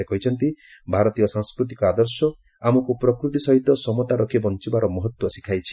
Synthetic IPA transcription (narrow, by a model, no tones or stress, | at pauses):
ekɔɦit͡ʃʰɔnt̪ibʱaɾɔt̪ijɔsãŋskɾut̪ikɔad̪ɔɾsɔ | amukupɾɔkɾut̪isɔɦit̪ɔsɔmɔt̪aɾɔkʰibɔnt͡ʃibaɾɔmɔɦɔt̪wɔsikʰajt͡ʃʰi̥